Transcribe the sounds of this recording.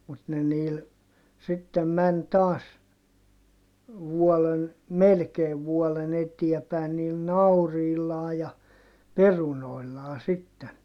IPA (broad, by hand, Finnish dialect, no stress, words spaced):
mut ne niːl sitːem mæn tɑːs ʋuɔlen melkeːʋ ʋuɔlen etiæ pæˑi̯n niːl nɑuriːlːɑː jɑ perunoilːɑː sitːen